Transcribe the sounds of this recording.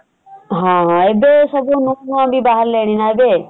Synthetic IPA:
ɦãɦãebesɔbunonuãbibaɦaɾleːɽ̃inaebe

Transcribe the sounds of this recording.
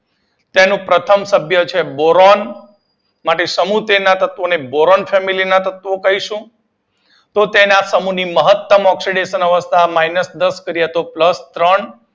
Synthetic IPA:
t̪enũpɾət̪ʰəmsəbʱjət͡ʃʰeboɾɔn | maʈesəmut̪enat̪ət̪ʋoneboɾɔnfʰɛmilinat̪ət̪ʋokəɦiʃũ | t̪ot̪enasəmuniməɦət̪ːəmɔksiɖeʃənəʋəst̪ʰamainəsd̪əskəɾijat̪opləst̪ɾəɳ

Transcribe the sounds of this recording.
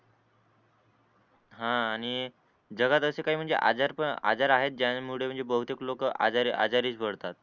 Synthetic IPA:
ɦãːɽ̃i | d͡ʑəɡat̪əsekaɦiːm̤əɳd͡zḛʔa̰d͡zaɾpəa̰d͡zaɾaɦet̪̚d͡ʑamuɽem̤əɳd͡zebəɦut̪eklokəa̰aɾa̰d͡zaɾiːsbʱəɽt̪at̪̚

